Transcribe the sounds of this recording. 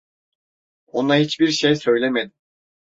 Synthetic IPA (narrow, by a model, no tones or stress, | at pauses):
onaɦit͡ʃbiɾʃejsø̞jlʲemed̪im